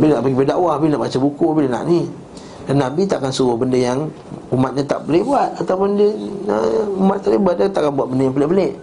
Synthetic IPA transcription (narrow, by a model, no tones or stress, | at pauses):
binaʔbaɡibədaʔwahapinaʔbat͡ʃabukuapiləna̰ʔni | danːabit̪aʔakansəbəhbəndəjaŋ | umat̪̚ɲat̪a̰ʔbolehbuat̪̚at̪awpondəəumat̪̚t̪alibat̪̚dat̪aʔkanbuat̪̚bəndəjaŋpəlebəleʔ